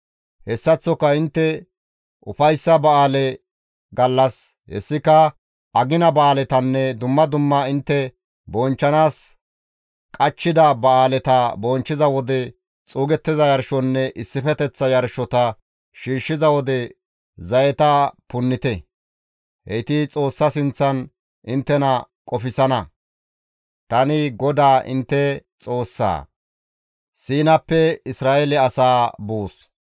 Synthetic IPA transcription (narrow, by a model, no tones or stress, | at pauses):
hɛsːɐt͡sːɔkːɐɪnt̪ːɛ | ʔʊ̰fɐjsːɐbɐaːlɛ | ɡɐlːɐshɛ̰sːɪkɐ | ʔɐɡɪnɐbɐaːlɛt̪ɐnːɛd̪ʊmːɐd̪ʊmːɐɪnt̪ːɛ | bɔnt͡ʃːɐnaːs | kʼɐt͡ʃːɪd̪ɐbɐaːlɛt̪ɐbɔnt͡ʃːɪzɐwɔd̪ɛ | t͡sʼuːɡɛt̪ːɪzɐjɐɾʃɔnːɛʔɪsːɪfɛt̪ɛt͡sːɐjɐɾʃɔt̪ɐ | ʃiːʃːɪzɐwɔd̪ɛ | zɐjɛt̪ɐpʊnːɪt̪ɛ | hɛt̪ɪt͡sʼo̞ːsːɐsɪnt͡sːɐn | ʔɪnt̪ːɛnɐkʼɔfɪsɐnɐ | t̪ɐnɪɡɔd̪aːʔɪ̰nt̪ːɛt͡sʼo̞ːsːa̰ː | siːnɐpːɛɪsɾaːʔɛlɛɐsaːbuːs